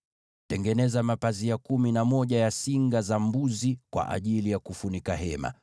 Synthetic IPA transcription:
tɛŋɡɛnɛzamapaziakuminamɔʄajasiŋɡazambuzikwa̰ʔa̰ʄilijakufunikaɦɛma̰

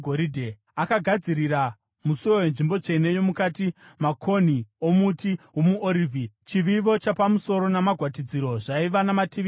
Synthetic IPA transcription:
ɡʱoɾidʱe | akaɡʱad͡ziɾira | musujowe̞nʐimbo̞t͡ʂe̞ne̞jo̞mukaːtimakʰo̞n̤io̞mutiwomuoɾiːvʱit͡ʃiʋiʋo̞t͡ʃapamuso̞ɾo̞namaɡʱwatid͡ziɾo̞ʐaiʋanamatiʋi

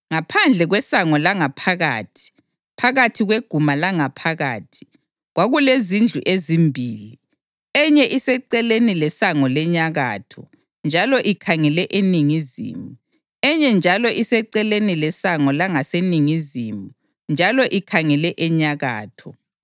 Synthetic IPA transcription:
ŋapʰand͡ɮʱɛɣwɛsaŋɔlaŋapʰaɣa̰ːtʰi̥ | pʰaɣatʰiɣweɡ̥ʱumalaŋapʰaɣa̰ːtʰi̥ | ɣwaɣulezind͡ɮʱuʔezimbʱiːli | ɛɲɛʔisɛǀɛlenilɛsaŋɔlɛɲaɣa̰ːtʰɔ | nd͡ʒʱalɔʔikʰaŋɛlɛʔeniŋizḭːmu | ɛɲɛnd͡ʒʱalɔʔisɛǀɛlenilɛsaŋɔlaŋaseniŋizimbʱu | nd͡ʒʱalɔʔikʰaŋɛlɛʔɛɲaɣa̰ːtʰɔ

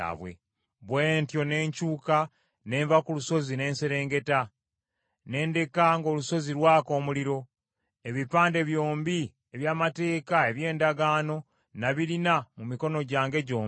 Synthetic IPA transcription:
a̰βwḛ | βweːntjo̞ne̞ːɲcuːka | ne̞ːɱvakuluso̞zine̞ːnseɾe̞ːŋɡe̞ta | ne̞ːnde̞kaŋɡo̞ːluso̞ziɾwaːko̞ːmuliɾo̞ | eβipaːnde̞βjo̞ːmbi | e̞βjaːmate̞ːkae̞βje̞ːndaɡaːno̞ | naβiɾinamumiko̞no̞ɟaːŋɡe̞ɟoːm

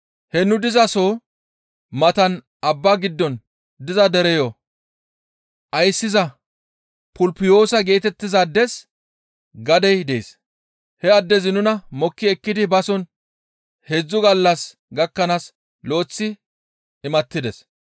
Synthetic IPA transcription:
hɛnʊd̪ɪzɐsoː | mɐt̪ɐn | ɐbːaːɡɪd̪ːɔn | d̪ɪzɐd̪ɛɾɛjɔ | ʔɐjsːɪzɐ | pʊlpɪjo̞ːsɐɡe̞ːt̪ɛt̪ːɪzɐd̪ːɛs | ɡɐd̪ɛjd̪ḛːs | hɛɐd̪ːɛzɪnʊnɐmɔkːɪɛkːɪd̪ɪbɐsɔn | hed͡zːʊɡɐlːɐs | ɡɐkːɐnas | lo̞ːt͡sːɪ | ɪmɐt̪ːɪd̪ɛs

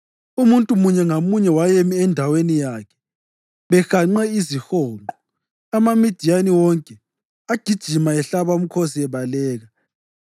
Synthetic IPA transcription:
umuntʼumuɲɛŋamuɲɛwajemiɛndʱawenijakʰɛ̥ | βɛxaŋ͡ǃɛizixɔːɔ | amamid̥ʱijaniwɔŋkʼɛ | aɡ̥ʱid̥ʒ̥ʱimaɛɬaβaum̩kʰosiɛβalɛːɣa

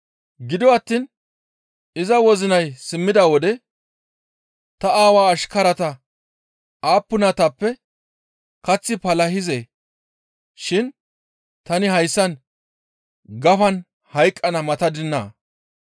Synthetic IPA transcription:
ɡɪd̪ɔɐt̪ːiːn | ɪzɐwɔzɪnɐjsɪmːɪd̪awɔd̪ɛ | t̪ɐaːwaːʃkɐɾɐt̪ɐ | aːpːʊnɐt̪ɐpːɛ | kɐt͡sːɪpɐlɐɦɪzeː | ʃɪn | t̪ɐnɪɦɐjsːɐn | ɡɐfɐn | hɐjkʼːɐnɐmɐt̪ɐd̪ɪnːa̰ː

